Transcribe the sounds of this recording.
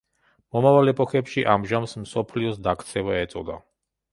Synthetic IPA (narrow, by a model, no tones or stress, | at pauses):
mɔmavalɛpʰʼɔxɛpʃiʔamʒamsmsɔpʰliɔsd̪akʰt̪sʰɛvaɛt̪sʼɔd̪a̰